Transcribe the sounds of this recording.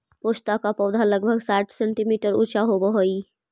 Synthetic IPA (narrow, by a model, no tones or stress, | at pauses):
poːʃt̪akapɔːd̪ʱaləɡ̚bʱəɡsaːʈʰsɛ̃ɳʈimiːʈəɾṵːt͡ʃaɦobɐɦoːiː